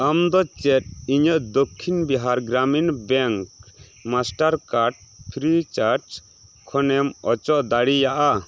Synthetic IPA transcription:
amd̪ɔt͡ʃɛʈ̚iɲəʔd̪okʰːinbiɦaɾɡɾaminbɛŋk | masʈaɾkaɾɖ̚pʰɾit͡ʃaɾʈ | kʰɔnɛmɔt͡ʃɔʔd̪aɽijaʔa

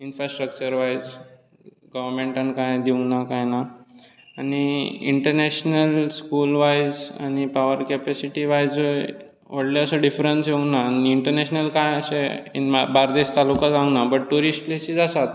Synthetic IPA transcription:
infɾasʈɾək̚t͡ɕəɾʋajd͡z | ɡəʋəɾmeɳʈənkãjd̪iũnakajna | aɽ̃iḭɳʈəɾneɕnəlskulʋajd͡za̰ñipaʋəɾkepɛsiʈiʋajd͡zə | ʋəɽleəsəɖifɾənsɦeũnaniiɳʈəɾneɕnəlkãjəseḭnbaɾd̪est̪alukad͡zãũnabəʈ̚ʈuɾisʈlesid͡zasat̪

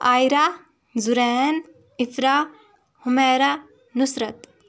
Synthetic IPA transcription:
aːjɾa | zuɾeːn | ifɾa | humeːɾa | nusɾɐt̪

